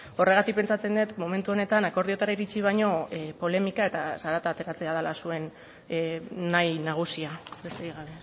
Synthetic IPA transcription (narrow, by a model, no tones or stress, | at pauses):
o̞re̞ɣ̞at̪ikpe̞nt͡sat͡se̞nd̪et̪mo̞me̞nt̪uo̞ne̞t̪anako̞ɾðio̞t̪aɾaiɾit͡siβ̞ajɲo̞po̞le̞mikae̞t̪asaɾat̪aːt̪e̞ɾat͡se̞aðalasue̞n | ajnaɣ̞usiabe̞st̪eɾiɣaβe̞